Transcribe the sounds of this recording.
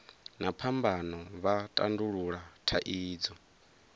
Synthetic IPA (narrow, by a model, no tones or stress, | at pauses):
napʰambanɔβatʼa̰nduɺuɺatʰaʔiːd͡zɔ